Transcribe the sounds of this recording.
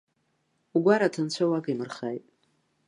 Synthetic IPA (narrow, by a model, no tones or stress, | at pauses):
uɡʷaɾatʰant͡ɕʷʰawakimɨrχajtʼ